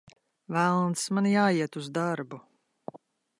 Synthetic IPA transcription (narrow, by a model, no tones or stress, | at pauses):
vælˠnsmanjaːiɛt̪uzd̪aɾbu